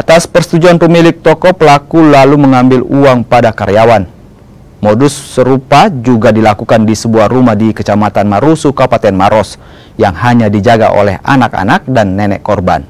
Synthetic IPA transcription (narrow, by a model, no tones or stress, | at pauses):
at̪aspərst̪ud͡ʒuanpəmilɪk̚t̪ɔkɔpəlakulaluməŋambɪluaŋpadakaɾeawan | modusːəɾupad͡ʒuɡadilakukandisəbuahrumahdikət͡ʃamat̪anmaɾusukapat̪ɛnmaɾɔs | jaŋhaɲadid͡ʒaɡa̰ʔo̰lɛɦa̰naka̰nak̚danːɛnɛ̰ʔkɔrba̰n